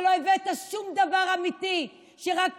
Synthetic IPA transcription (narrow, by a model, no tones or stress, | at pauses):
loevet̪aʃumd̪avaʁamit̪i | ʃeʁak